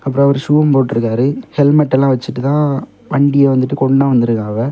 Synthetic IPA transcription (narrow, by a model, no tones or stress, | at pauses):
ɐpːɯɾõːɐʋɐɾɯʂuːʋɐmpoːʈːɯɾɯkːaːɾɯhɛlmɐʈːɛlãːʋɐt͡ʃːɯʈːɯt̪ãː | ʋɐɳɖɪjɛʋɐnd̪ɯʈːɯkɔɳɖãːʋɐnd̪ɯɾɯkaːɣɐ